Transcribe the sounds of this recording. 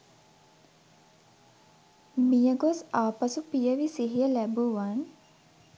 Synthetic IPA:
mijəɡosaːpəsupijəʋisiɦijəlæbuʋan

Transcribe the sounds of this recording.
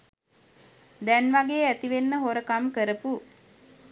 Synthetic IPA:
d̪ɛnʋaɡeːæt̪iʋenːəɦoɾəkamkəɾəpu

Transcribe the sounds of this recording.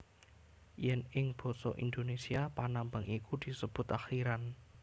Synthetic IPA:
jɛnɪŋb̥ɔ̤sɔ̰ʔind̪onesiapanambaŋikud̪̥i̤səb̥ʊ̤t̪axiɾan

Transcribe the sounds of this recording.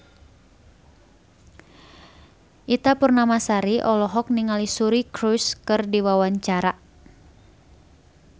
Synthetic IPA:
ʔit̪apurnamasaɾiʔɔlɔɦɔk̚niŋalisuɾikɾuskɨrdiwawaɲt͡ʃaɾa

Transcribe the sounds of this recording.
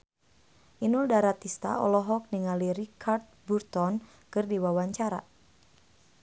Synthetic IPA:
ʔinuldaɾat̪ist̪a̰ɔ̰lɔɦɔk̚niŋalirikʰart̪̚burt̪ɔn | kɨrdiwawaɲt͡ʃaɾa̰

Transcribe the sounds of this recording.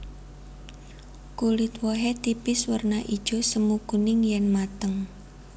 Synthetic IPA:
kulɪt̪wɔɦɛt̪ipɪswərnaʔid̥ʒ̥o̤səmukunɪŋjɛnmat̪əŋ

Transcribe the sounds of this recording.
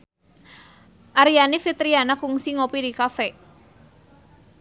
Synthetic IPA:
ʔaɾijanifit̪ɾianakuŋsiŋopidikafɛ

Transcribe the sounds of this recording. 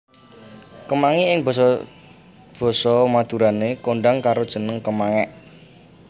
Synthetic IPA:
kəmaŋiɪŋb̥ɔ̤sɔ | b̥ɔ̤sɔmad̪̥ṳɾanekoɳɖaŋkaɾod̥ʒ̥ə̤nəŋkəmaŋɛʔ

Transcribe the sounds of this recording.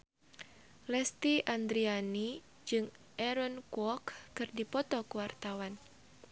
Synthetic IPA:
lɛst̪iʔand̪ɾiani | d͡ʒɨŋ | ʔɛɾɔnkwɔkːɨrdipɔt̪ɔkəwart̪awan

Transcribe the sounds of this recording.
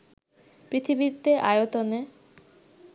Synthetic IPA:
pɾit̪ʰibit̪ːeʔajot̪one

